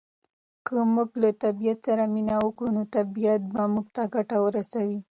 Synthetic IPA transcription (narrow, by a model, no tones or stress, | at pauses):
kʰəmuɡlat̪abijat̪saɾaminawəkɽunot̪abijat̪̚bamuɡ̚t̪aɡaʈawəɾasawi